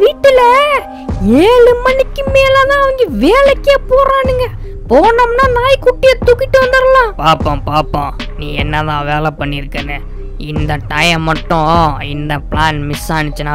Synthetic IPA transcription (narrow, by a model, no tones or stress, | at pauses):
ʋiːʈːɪlɐ | eːɭɯmɐnɪkːɯmeːlɐt̪ãːɐʋɐŋɡɐʋeːlɛkːeːpoːɾãːniːŋɡɐ | poːnɐmnaːnaːjkuʈːɪjɐt̪ʊkːɪʈːɯʋɐnd̪ɪɾɐlãːpaːpːõpaːpːõ̰ːnĩːɛnːɐt̪ãːʋeːlɛpːɐɳːɪɾɯkːɐnːɯ | ɪnd̪ɐʈɐjɐmːɐʈːʊ̃ɪnd̪ɐpɭaːnmɪsaːɳɪt͡ʃːɐnaː